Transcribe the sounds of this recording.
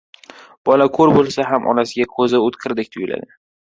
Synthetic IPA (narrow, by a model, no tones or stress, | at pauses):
b̥ɒlakʰɵɾbolˠsaɦamʔɒ̰nasɪɡʲakʰɵzɪʊt̪qʰɨɾd̪ɪk̚ʲt̪ʰʊjʊla̰d̪ɪ